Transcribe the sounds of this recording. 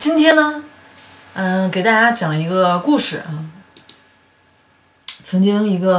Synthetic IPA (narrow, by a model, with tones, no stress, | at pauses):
t͡ɕi˥nt̪ʰjɛ˥nnə˧ | ə˥˧ke˨˩ɪt̪a˥˩t͡ɕja˥t͡ɕjɑ˨˩ŋi˧˥ɡə˧ku˥˩ʂɻ̩˨˩˧ | t͡sʰɤ˧˥ŋt͡ɕi˥ŋi˧˥ɡə˧